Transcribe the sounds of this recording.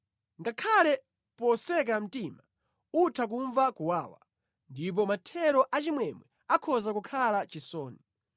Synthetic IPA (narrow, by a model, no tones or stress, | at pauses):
ŋɡakʰalɛ | pɔsɛk̬am̩tiːma | utʰak̬uɱvakuwaːwa̰ | ndip̬ɔmatʰɛɾɔʔat͡ʃimwɛmwɛ | akʰɔzakukʰalat͡ʃisɔːni